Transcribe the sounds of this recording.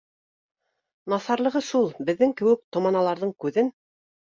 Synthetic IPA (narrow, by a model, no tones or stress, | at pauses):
nɑθɑɾlˠɤ̆ʁɤʃulˠbɘ̆ðːɘŋkɘ̆wɘk̚t̪ŏmɑnɑlˠɑɾðɤɴkʉðɘn